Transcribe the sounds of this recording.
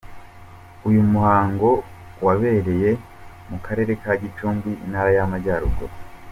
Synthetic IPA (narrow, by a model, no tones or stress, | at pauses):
ujumuhaːŋɡo̞ | waβe̞ɾe̞je̞ | mukʰaɾe̞ːɾe̞kaɟit͡ʃuːmɡiḭnhaːɾajamaɟaɾṵɡo̰